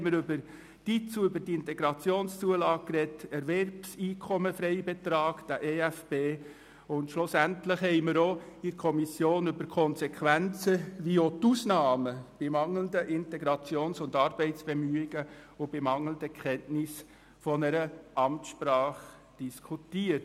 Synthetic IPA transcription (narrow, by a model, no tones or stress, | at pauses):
məɾʏbəɾ | d̥it͡suʏbədiɪntɛɡɾɑt͡sjoːnst͡suəlɑːɡkːrɛtɛɾvɛrpsiːkʰɔməfɾɛɪbet̪ɾɑːɡ̥d̥æʔeːæfb̥eː | ʊntʃlʊsæntləχɦɛɪməɾoɪɾkʰɔmisjoːnʏbəɾkʰɔnsɛkʰʋænt͡səʋiotusnɑːməb̥ɪmɑŋləndəʔɪntɛɡɾɑt͡sjoːnsʊndɑɾb̥ɛɪsb̥ɛmyːɪɡəʊb̥ɪmɑŋləndəkʰχɛntnɪs | fɔnəɾəɑmtʃpɾɑːχ | d̥iskʰutiːət